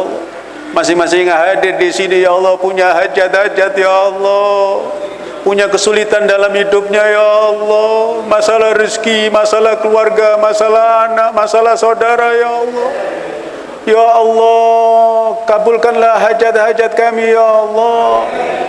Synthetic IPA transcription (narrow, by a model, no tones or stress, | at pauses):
lɔ̰ | masɪhmasɪhŋaɦadɪrdisinijaɔlːɔhpuɲaɦad͡ʒat̪̚had͡ʒat̪jaɔlːɔ | puɲakəsulit̪andalamhidʊp̚ɲajaːlːɔmasalahriskimasalahkəluarɡamasalahanakmasalahsaudaɾahjaːlːɔ | jaʔːlːɔ | kabʊlkanlahɦad͡ʒat̪̚had͡ʒat̪̚kamijaɔlːɔ